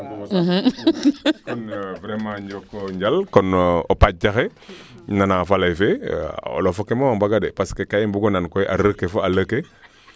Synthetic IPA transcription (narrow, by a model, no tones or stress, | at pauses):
ɦ̩ | kɔnvɾemãɲd͡ʒokːoɲɟalkɔnopad͡ʒaxe | nanafalajfḛo̰lofokemowambaɡadepaskekajimbuɡonankojʔa̰ɾəkefoaləke